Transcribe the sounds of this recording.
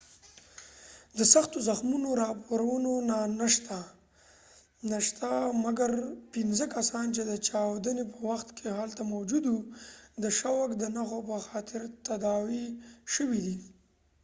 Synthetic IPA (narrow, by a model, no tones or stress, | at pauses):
d̪əsaxt̪ozaxmunoɾɑpoɾawənonanəʃt̪a | naʃt̪amaɡaɾpinzəkasɑnt͡ʃed̪ət͡ʃɑwd̪ənepəwaxt̪kʰeɦalt̪amawd͡ʒud̪wud̪əʃawakd̪ənaxopəxɑt̪ɪɾt̪ad̪ɑwiʃəwid̪i